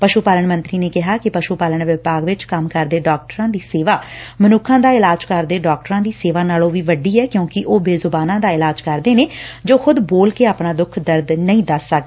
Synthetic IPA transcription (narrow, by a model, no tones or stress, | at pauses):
pəʃuːpaːləɳmə̃nt̪ɾiːneːkɪɦaːkɪpəʃuːpaːləɳʋɪpaːɡʋɪt͡ʃkəmkəɾd̪eːɖɔːk̚ʈəɾãːd̪iːseːʋaːmənʊkʰãːd̪aːɪlaːd͡ʒkəɾd̪eːɖɔːk̚ʈəɾãːd̪iːseːʋaːnaːlõːʋiːʋəɖiːɛːkjõːkɪʔoːbeːzʊbaːnãːd̪aːɪlaːd͡ʒkəɾd̪eːneːd͡ʒoːxʊd̪boːlkeːaːpɳaːd̪ʊkʰd̪əɾd̪nəĩːd̪əsːək̚ː